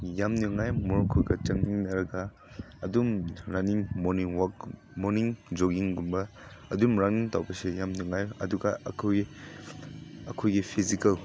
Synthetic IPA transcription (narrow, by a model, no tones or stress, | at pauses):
jamniŋajmɔɾkʰuɡɐt͡ʃɐŋniŋnɐɾɐɡɐ | ɐdumɾaniŋmɔniŋwɔk | mɔniŋd͡ʒoɡiŋɡumbɐ | ɐdumɾaŋniŋtawbɐsejamniŋajɐ̰duɡɐɐ̰kʰoj | ɐ̰kʰojɡipʰizikɐl